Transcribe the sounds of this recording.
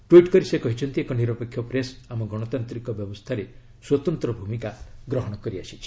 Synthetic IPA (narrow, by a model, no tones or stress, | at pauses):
ʈwiʈkɔɾisekɔɦit͡ʃʰɔnt̪iekɔniɾɔpekʰːjɔpɾesamɔɡɔɽ̃ɔt̪ant̪ɾikɔbjɔbɔst̪ʰaɾe | swɔt̪ɔnt̪ɾɔbʱumikaɡɾɔɦɔɽ̃ɔkɔɾiasit͡ʃʰi̥